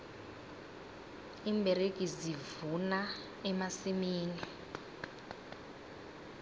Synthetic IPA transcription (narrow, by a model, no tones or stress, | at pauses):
imbʱeɾekʼizivuna | ɛmasimiːni